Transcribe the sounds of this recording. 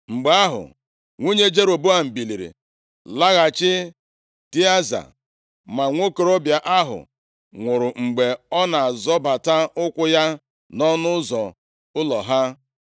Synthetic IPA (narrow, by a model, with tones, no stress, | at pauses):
ŋ͡m̩˨ɡ͡ba˦ɦʊ̰˨ | ŋʷu˦ɲe˦d͡ʒe˦ɾo˨bo˦a˨m̩˨bi˨li˨ɾḭ˨ | la˦ɣa˨t͡ʃɪ˦ | ti˦a˦za̰˨ | ma˨ŋʷo˦ke˨ɾo˦bja˨ʔa˦ɦʊ̰˨ | ŋʷʊ˨ɾʊ˨ŋ͡m̩˨ɡ͡be˨ɔ˦na˨a˨zɔ˦ba˨ta˦ʊ˦kʷʊ˦ja˦ | nɔ˦nʊ˦zɔ˨ | ʊ˦lɔ˨ɦa˦